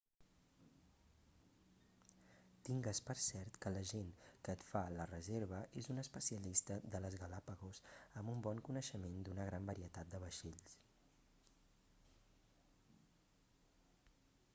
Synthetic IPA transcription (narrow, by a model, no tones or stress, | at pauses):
t̪iŋɡəspəɾsɛɾt̪kələʒenkəːt̪falərəzeɾβ̞əʔezunəspəsiəlist̪əd̪ələzɣəlapəɣosəmumbɔŋkunəʃəmend̪unəɣɾambəɾiət̪at̪̚d̪əβ̞əʃeʎs